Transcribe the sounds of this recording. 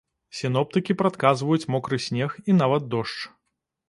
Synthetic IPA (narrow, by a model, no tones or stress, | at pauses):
sʲin̪ɔp̚t̪ɨkʲipɾat̪kazvɐjut͡sʲmɔkɾɨsʲnʲɛxinavɐd̪̚d̪ɔʂt͡ʂ